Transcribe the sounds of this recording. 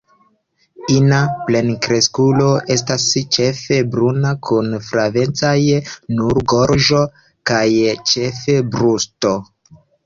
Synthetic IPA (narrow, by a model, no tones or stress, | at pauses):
inaple̞nkɾe̞skulo̞ʔe̞s̬tast͡ʃe̞fe̞bɾunakʰunfɾave̞nt͡sajnuɾɡo̞ɾʒo̞ | kajt͡ʃe̞fe̞bɾusto